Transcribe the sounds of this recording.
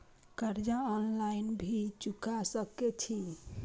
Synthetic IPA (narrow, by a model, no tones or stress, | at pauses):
kəɾd͡ʒaɔnlainbʱit͡ʃukasəket͡ʃʰi